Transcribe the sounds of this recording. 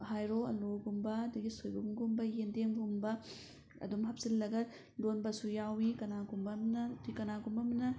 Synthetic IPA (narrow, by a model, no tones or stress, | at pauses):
ɦajɾoɐ̰loɡumbɐɐdɐɡisojbɐɡumɡumbɐjendeŋɡumbɐ | ɐ̰dumɦap̚silːɐɡɐ | lonbɐsujawikɐnaɡumbɐmnɐtikɐnaɡumbɐmnɐ